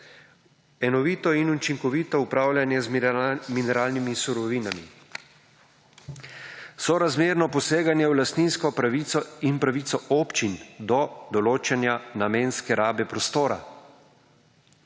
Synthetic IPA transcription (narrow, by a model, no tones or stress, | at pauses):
ɛnɔʋiːt̪ɔinut͡ʃiŋkɔʋiːt̪ɔupɾaːwljanjɛzminɛɾaːlnimisuɾɔʋiːnamḭ | sɔɾazmeːɾnɔpɔseːɡanjɛwlast̪niːnskɔpɾaʋit̪sɔinpɾaʋit̪sɔʔɔːpt͡ʃind̪ɔd̪ɔloːt͡ʃɛnjanameːnskɛɾaːbɛpɾɔst̪oːɾa̰